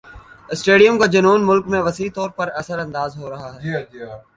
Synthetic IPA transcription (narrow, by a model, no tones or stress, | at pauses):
ɪsʈeːɖijə̃mkad͡ʒɐnuːnmʊlkmẽʋɐsiːt̪ɔːɾpɐɾɐsəɾɐ̃nd̪aːzɦoɾɐɦaɦɛː